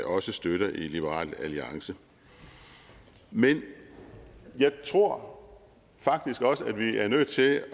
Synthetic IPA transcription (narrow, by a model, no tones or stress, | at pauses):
ʔɒ̽səsd̥øɾɐʔilib̥əʁɑ̰̈ːl̰æliɑ̈ŋsə | men | jɑ̈ɪt͡sʰʁo̝ɐ̰ | fɑ̈ɡ̥̚d̥isɡ̥ɒ̽səæd̥ʋiæɐnøð̰̥ˠt͡sʰe̝l